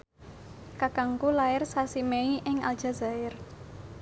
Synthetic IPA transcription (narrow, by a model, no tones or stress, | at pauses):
kakaŋkulaɪrsasimeiʔɪŋa̰ld̥ʒ̥a̤za̤ɪr